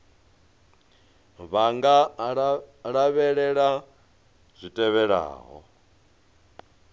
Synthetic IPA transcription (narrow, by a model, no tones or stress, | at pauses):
βaŋɡa | ɺaβɛɺɛɺa | z̥ʷitʼɛβɛɺa̰ːɦɔ̰